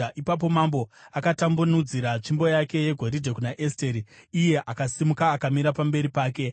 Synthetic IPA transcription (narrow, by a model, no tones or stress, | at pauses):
ʔipap̬o̞mambo̞akatambunud͡ziɾat͡ʂimbo̞jake̞je̞ɡʱo̞ɾidʱe̞kunaʔesteɾiije̞ʔakasimukaːkamiɾapambe̞ɾipaːke̞